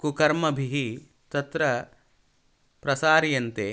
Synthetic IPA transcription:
kukɐɾmɐbʱiɦi | t̪ɐt̪ɾɐ | pɾɐsaːɾijɐnt̪eː

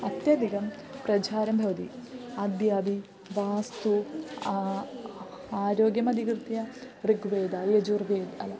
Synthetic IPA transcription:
ɐt̪jɐd̪ʱikɐm | prɐd͡ʑaːɾɐmbʱɐʋɐt̪ḭɐd̪jaːbi | ʋaːst̪u | aːɾoːɡjɐmɐd̪ʱikrt̪ijɐ | riɡʋeːd̪aːjɐd͡ʒurʋeːd̪ɐ̰lɐ

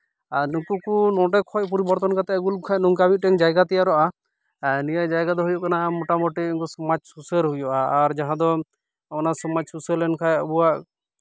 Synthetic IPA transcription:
aɾnukukunɔ̃ʈɛkʰɔc̚p̬ɔɾibɔɾt̪ɔnkat̪ɛɡulkʰajnuŋkamit̪̚ˀʈɛŋd͡ʒajɡat̪ɛjaɾɔʔa | nijad͡ʒajɡad̪ɔɦujɔʔkanaʔmɔʈamɔʈiiŋkusɔmad͡ʒsusəɾɦujɔʔaːɾd͡ʒaɦãd̪ɔ | ɔnasɔmad͡ʒsusəlɛnkʰajɔbuwaʔ

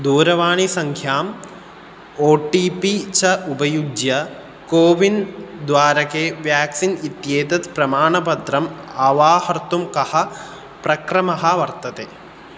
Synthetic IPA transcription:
d̪uːɾɐʋaːɳisɐŋkʰjaːm | oːʈiːpit͡ʃɐʔubɐjud͡ʒjɐ | koːʋind̪ʋaːɾɐkeːʋjaːksinit̪jeːt̪ɐt̪pɾɐmaːɳɐpɐt̪ɾɐmɐʋaːhɐɾt̪umkɐhɐ̆ | pɾɐkɾɐmɐɦɐʋɐɾt̪ɐt̪eː

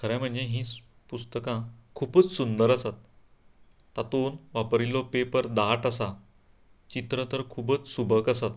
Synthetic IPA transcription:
kʰəɾãjm̤əɳd͡zeɦĩː | pust̪əkãkʰuːpət͡ssund̪əɾəsat̪̚ː | at̪onʋapɾilɔpepəɾd̪aʈasa | t͡ɕit̪ɾət̪əɾkʰuːbət͡ssubʱəkəsat̪

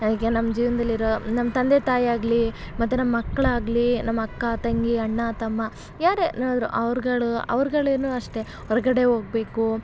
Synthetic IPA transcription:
ɐd̪ikːenɐmːɐd͡ʒiːʋɐnd̪ɐlːiɾonɐmːɐt̪ɐnd̪et̪aːjiaːɡlimɐt̪ːunɐmːɐɐkːɐɭaːɡlinɐmːɐkːɐt̪ɐŋɡiɐɳːɐt̪ɐmːɐ | jaːɾenoːd̪ɾṵʔɐʋɐɾɡɐɭuɐ̰ʋɐɾɡɐɭeːnuːɐʂʈe̞ | ɦɔɾɐɡɐɽe̞ɦo̞ːɡ̚be̞ːku

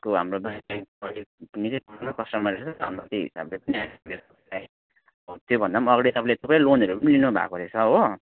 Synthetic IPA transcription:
koɦa̰mrod̪ajaʌɽipʌnit͡sʌjkʌnanakʌsʈʌmaɾesʰʌa̰nʌt̪iɦḭsa̰blepʌniɦamlet̪ʌpalaj | ʌbʌt̪jobʱʌnd̪amʌɡɽit̪ʌpãĩlet̪ʌpãlonʌɾupʌnilinubʱa̰koɾet͡sʰʌɦo

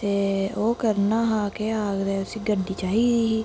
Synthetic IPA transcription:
t̪eːoːkəɾnaːɦaːkeːaːɡd̪eːʊsĩːɡəɖiːt͡ʃaːɦiːd̪iːɦiː

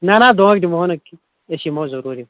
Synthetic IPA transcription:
nanaːd̪oɐk̚dimoɦonɐki | eʃimozɐɾuːɾi

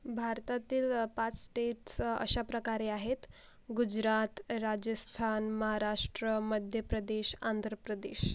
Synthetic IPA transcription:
bʱaɾt̪at̪iːlpat͡ssʈeʈsə̰ɕapɾəkaɾeaɦet̪ | ɡud͡ʑɾat̪ɾad͡ʑəst̪ʰanməɦaɾaʂʈɾəməd̪ʱjəpɾəd̪eɕa̰nd̪ʱɾəpɾəd̪eɕ

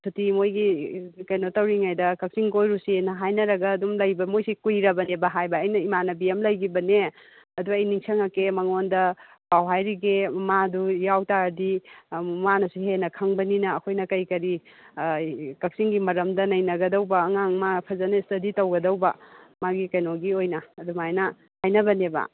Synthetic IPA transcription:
sʰutimojɡikɐjnotɐwɾiŋajdɐkɐk̚siŋɡojɾusinɐɦajnɐɾɐɡɐːdumlɐjbɐmojsikujɾɐbɐnebɐɦajbɐːjnɐimanɐbiemlɐjɡibɐne | ɐduɐjniŋsʰɐŋɐkemɐŋondɐ | pawɦajɾiɡemadujawtaɾɐdimanɐsuɦenɐkʰɐŋbɐninɐːkʰojnɐkɐjkɐɾi | kɐk̚siŋɡimɐɾɐmdɐnɐjnɐɡɐdɐwbɐːŋaŋmapʰɐzɐnɐistɐditɐwɡɐdɐwbɐmaɡikɐjnoɡiojnɐːdumajnɐ | hajnɐbɐnebɐ̰

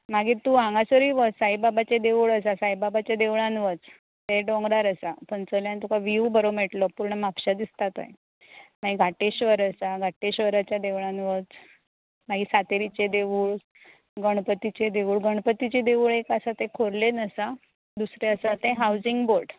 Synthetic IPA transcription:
maɡiːt̪uãŋɡasəɾiːʋət͡ssajbabat͡ɕed̪eʋuɭəs̬asajbabat͡ɕed̪eʋɭanʋət͡s | t̪eɖɔ̃ŋɡɾaɾəsapəɳt͡səljant̪ukaʋiubəɾomeʈlɔpuɾɳəmapɕad̪ist̪at̪a̰j | maɡiɡʱaʈeɕʋəɾəsaɡʱaʈeɕʋəɾat͡ɕjad̪eʋɭanʋət͡s | maɡiːsat̪eɾit͡ɕed̪eʋuːɭ | ɡəɳ̃pət̪it͡ɕed̪eʋuːɭɡəɳ̃pət̪it͡ɕed̪eʋuɭekasat̪ekʰoɾlenəsa | d̪usɾeəsat̪ẽɦawd͡ziŋɡboɾɖ

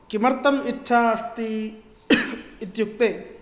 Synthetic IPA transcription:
kimɐɾt̪ɐmiʈʰːast̪i | it̪juk̚t̪eː

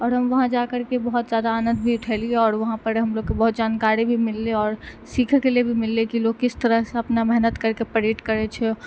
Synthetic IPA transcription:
ɔːɾɦəmʋəɦãd͡ʒakəɾkebəɦut̪d͡ʒjad̪aːnə̃nd̪bʱiʊʈʰɛlieɔːɾʋəɦãpəɾɦəmloɡ̚kːebəɦut̪̚d͡ʒankaɾibʱimɪlːeɔːɾ | sikʰkelebʱimɪlːekiloɡkːɪst̪əɾəɦseəpnamɛɦnət̪kəɾkepəɾeʈkəɾɛt͡ʃʰɛ

